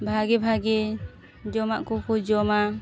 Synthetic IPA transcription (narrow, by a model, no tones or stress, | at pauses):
bʱaɡɛbʱaɡɛ | d͡ʒɔmaʔkukud͡ʒɔma